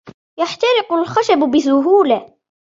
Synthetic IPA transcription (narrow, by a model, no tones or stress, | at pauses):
jaħt̪ɑɾɪqʊlxaʃabbɪsʊɦuːla